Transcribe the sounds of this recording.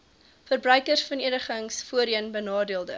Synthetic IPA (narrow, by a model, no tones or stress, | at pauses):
fərbrœɥkərsfɐniənəχəŋsfuəɾiənbənɑːdiəlˠdə̰